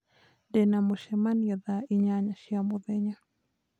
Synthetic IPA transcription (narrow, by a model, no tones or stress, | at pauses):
denamoʃɛmanjaðaiɲaɲaʃjamoðɛɲa